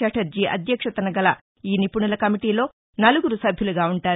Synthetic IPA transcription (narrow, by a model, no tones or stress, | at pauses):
ɐʈɐɾd͡ʒiʔɐ̰d̪ʱjɐkʂɐt̪ɐnɐɡɐlɐ | iːnipuɳulɐkɐmiʈiːlo̞ː | nɐluɡuɾusɐbʱjuluɡaːuɳʈaːɾ